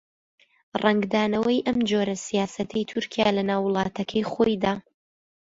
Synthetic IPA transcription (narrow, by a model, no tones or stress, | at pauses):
rʔɛŋɡd̪aːnɐwɐjʔɐmd͡ʒoɾɐsijaːsɐt̪ʰɐjt̪ʰʊɾkʰijaːlɐnaːwːʊlˠɑːt̪ʰɐkʰɐjχojd̪aː